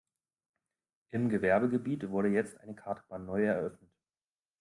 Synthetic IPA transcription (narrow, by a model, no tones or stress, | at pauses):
ʔɪmɡəvɛɐbəɡəbiːtv̥ʊɐɾəjɛt͡stʔaɪnəkʰaɐtəb̥aːnːɔʏɛɐʔœfnət